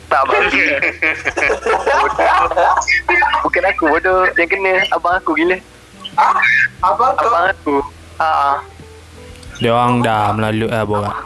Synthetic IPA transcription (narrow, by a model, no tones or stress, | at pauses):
t̪aʔbaɡi | bodo | bukanakubodojaŋkənə̃abaŋakuɡiləh | baabaŋaku | aʔa | deoɣaŋdaməlaluʔaboɡaʔ